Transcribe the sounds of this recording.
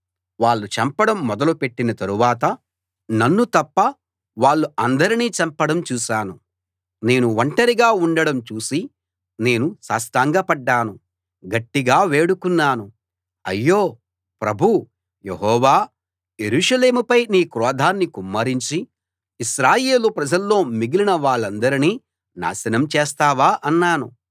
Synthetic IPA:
ʋaːɭːut͡ʃɐmpɐɽɐmːɔd̪ɐlupe̞ʈːinɐt̪ɐɾuʋaːt̪ɐ | nɐnːut̪ɐpːɐ | ʋaːɭːuɐnd̪ɐɾiniːt͡ʃɐmpɐɽɐmt͡ʃuːʃaːnu | ne̞ːnuʋɐɳʈɐɾiɡaːuɳɖɐɽɐmt͡ʃuːsi | ne̞ːnusaːst̪aːŋɡɐpɐɖːaːnu | ɡɐʈːiɡaːʋeːɽukunːaːnu | ɐ̰jːo̞ː | pɾɐbʱu | jeɦɔːʋaː | je̞ɾuːʂɐle̞ːmupɐjniːkɾɔːd̪ʱaːnːikumːɐːɾiɲt͡ʃiː | ʃɾaːje̞ːlupɾɐd͡ʒɐlːo̞ːmiɡilinɐʋaːɭːɐnd̪ɐɾiniː | na̰ːsɐnɐmt͡ʃeːst̪aːʋaːʔɐnːaːnṵ

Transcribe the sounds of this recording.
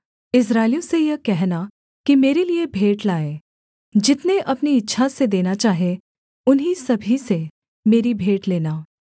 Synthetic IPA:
ɪs̬ɾaːɪlijõsejɐkɛɦna | kimeːɾeliebʱeːʈlaːeː | d͡ʒɪt̪neʔɐpniɪtːʃʰased̪eːnat͡ʃaːɦe | ʊnɦisɐbʱise | meːɾibʱeːʈleːnaː

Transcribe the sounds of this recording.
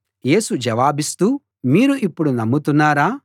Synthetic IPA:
je̞ːsud͡ʒɐʋaːbist̪uː | miːɾuʔipːuɽunɐmːut̪unːaːɾaː

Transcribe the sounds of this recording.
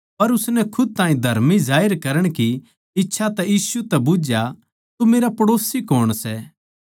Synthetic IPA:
pɐɾʊsnɛkʰʊd̪̚t̪ãːĩd̪ʱɐɾmizaːɪɾkɐɾəɽ̃ki | ɪtːʃʰat̪ɛjiːsut̪ɛbʊd͡ʒja | t̪umeːɾapɐɽoːsikoːɽ̃sɛ

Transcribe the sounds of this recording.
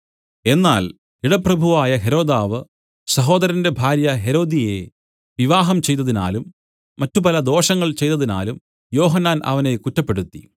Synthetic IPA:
e̞nːa̰ːl | iɽɐprɐbʱuʋaːjɐɦe̞ɾo̞ːd̪aːʋɨ | sɐɦo̞ːd̪ɐɾɐnde̞bʱaːɾjɐɦe̞ɾo̞ːd̪ije̞ | ʋiʋaːɦɐmt͡ɕe̞jt̪ːɐðina̰ːlumː | ɐtːupɐlɐd̪o̞ːʂɐŋːɐɭt͡ɕe̞jt̪ːɐðina̰ːlum | jo̞ːɦɐnːaːnʔɐ̰ʋɐne̞kutːɐpːe̞ɽut̪ːi

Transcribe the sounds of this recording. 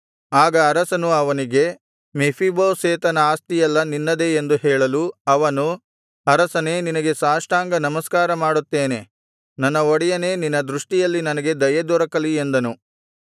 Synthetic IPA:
aːɡɐːɾɐsɐnuɐʋɐniɡe̞ | mepʰiboːseːt̪ɐnɐaːst̪ijɛlːɐninːɐd̪e̞ːnd̪uɦɛːɭɐluɐʋɐnu | ɐɾɐsɐne̞ːninɐɡe̞saːʂʈaːŋɡɐnɐmɐskaːɾɐmaːɽut̪ːeːne̞ | nɐnːɐoɽijɐne̞ːninːɐd̪ɾuʂʈijɐlːinɐnɐɡe̞d̪ɐjɐd̪ɔɾɐkɐliend̪ɐnu

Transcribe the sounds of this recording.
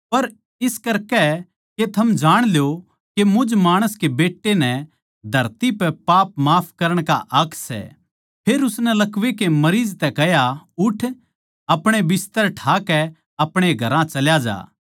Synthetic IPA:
pɐɾ | ɪskɐɾkɛ | ket̪ʰɐmd͡ʒaːɽ̃ljo | kemʊd͡ʒmaːɽ̃əskebeːʈːenɛ̃ | d̪ʱɐɾt̪ipɛpaːpmaːpʰkɐɾəɽ̃ka̰ʔɐkʰsɛ̰ | pʰeːɾʊsnɛlɐkʋekemɐɾiːd͡ʒt̪ɛkɛɦjaʊʈʰ | ɐpɽ̃ebɪst̪əɾʈʰaːkɛ | ɐpɽ̃eɡʱɐɾãt͡ʃɐljad͡ʒa̰ː

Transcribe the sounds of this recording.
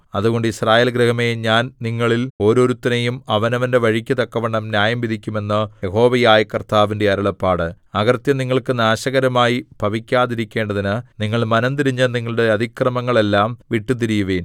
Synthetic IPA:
ɐðuɣo̞ɳɖɨisraːjeːlɡɾehɐmejɲaːnniŋːɐɭilo̞ːɾo̞ːɾut̪ːɐnejumɐʋɐnɐʋɐnde̞ʋɐɻikʲːɐt̪ɐkːɐʋɐɳːɐmnjaːjɐmʋid̪ʱikʲːume̞nːɨje̞ɦo̞ːʋɐjaːjikɐrt̪aːʋinde̞ɐɾɐɭɐpːaːɽɨ | ɐɣɐrt̪jɐniŋːɐɭkɨnaːɕɐɣɐɾɐmaːjibʱɐʋikʲːaːðiɾikʲːe̞ːɳɖɐðinɨniŋːɐɭmɐnɐnt̪iɾiɲːɐniŋːɐɭɽe̞ɐd̪ʱikrɐmɐŋːɐɭelːaːmʋiʈːut̪̬iɾijuʋeːn

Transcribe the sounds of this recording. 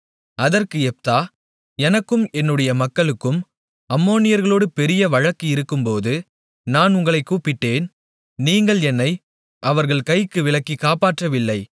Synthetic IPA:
ɐðɐrkɯɛp̚t̪aː | ɛnɐkːɯmɛnːɯɽɐjɐmɐkːɐɭɯkːɯm | ɐmːoːnɪjɐɾɣɐɭoːɽɯpɛɾɪjɐʋɐɻɐkːɯɪɾɯkːɯmpoːðɯ | naːnʊŋɡɐɭɐɪkːuːpɪʈːeːn | niːŋɡɐɭɛnːɐɪ | ʔɐʋɐɾɣɐɭkɐɪkːɯʋɪlɐkːikːaːpaːʈrɐʋɪlːɐɪ

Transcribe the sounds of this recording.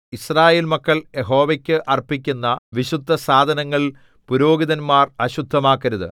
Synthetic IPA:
israːje̞ːlmɐkːɐɭje̞ɦo̞ːʋɐkʲːɨʔɐrpːikʲːunːɐʋiɕud̪ʱːɐsaːd̪ʱɐnɐŋːɐɭ | puɾo̞ːɡiðɐnmaːrɐɕud̪ʱːɐmaːkːɐɾuðɨ̰

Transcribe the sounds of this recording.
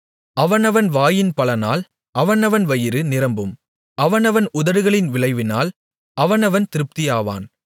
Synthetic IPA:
ɐʋɐnɐʋɐnʋaːjɪnpɐlɐnaːl | ʔɐʋɐnɐʋɐnʋɐjɪɾɯnɪɾɐmbɯm | ɐʋɐnɐʋɐnʊðɐɾɯɣɐɭɪnʋɪɭɐɪʋɪnaːl | ɐʋɐnɐʋɐnt̪ɪɾɯp̚t̪ɪjaːʋa̰ːn

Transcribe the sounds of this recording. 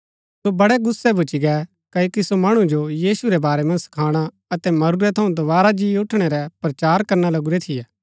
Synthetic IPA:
sobɐɽɛɡʊsːɛbʊt͡ʃiɡɛ | kɐoːkisomɐɽ̃ũd͡ʒojiːsuɾɛbaːɾɛmɐ̃nsɐ̥kʰaːɽ̃a | ɐt̪ɛmɐɾuɾɛt̪ʰɐũd̪ɐβaːɾad͡ʒiːʊʈʰɽ̃ɛɾɛpɾɐt͡ʃaːɾkɐɾnalɐɡuɾɛt̪ʰɪjɛː

